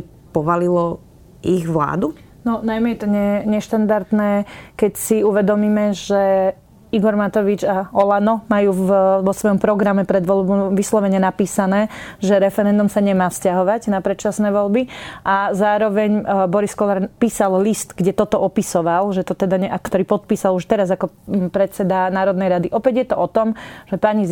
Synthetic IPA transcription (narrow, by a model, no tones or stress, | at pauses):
pɔʋalilɔ | ʔiɣʋla̰ːd̪u | nɔnajmɛjɛt̪ɔɲɛɲɛʃt̪and̪aɾt̪nɛːkɛcsiuʋɛd̪ɔmiːmɛʒɛ | iɡɔɾmat̪ɔʋid͡ʒaɔlanɔmajuːʋɔsʋɔjɔmpɾɔɡɾamɛpɾɛd̪ʋɔlbɔmʋislɔʋɛɲɛnapiːsanɛːʒɛɾɛfɛɾɛnd̪umsaɲɛmaːfscaɦɔʋaɟnapɾɛt͡ʃasnɛːʋɔlbiʔazaːɾɔʋɛɲbɔɾiskɔlaɾpiːsallist̪ɡɟɛt̪ɔt̪ɔʔɔpisɔʋalʒɛt̪ɔt̪ɛd̪aɲɛakt̪ɔɾiːpɔt̪̚piːsaluʃt̪ɛɾazakɔpɾɛt̪t͡sɛd̪anaːɾɔd̪nɛjɾad̪iʔɔpɛɟjɛt̪ɔʔɔt̪ɔmʒ̥ɛpaɲi